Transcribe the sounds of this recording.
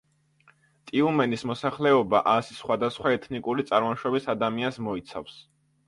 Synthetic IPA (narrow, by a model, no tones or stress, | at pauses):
t̪ʼiumɛnismɔsaχlɛɔba̰ʔasi̥sχwad̪asχwaɛt̪ʰnikʼuɾit̪sʼaɾmɔnʃɔbisad̪amiansmɔit̪sʰa̰fs